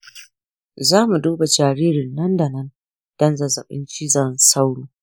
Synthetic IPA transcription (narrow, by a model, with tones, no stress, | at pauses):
zaː˦mu˨duː˦ba˨d͡ʒaː˨ɾiː˦ɾɪ˨nːɐ˦nda˨nɐ˦n | d̥ɐ˦nza˨zɐ˨ɓɪ̰˦nt͡ʃi˦zɐ˨nsa˦wɽuː˨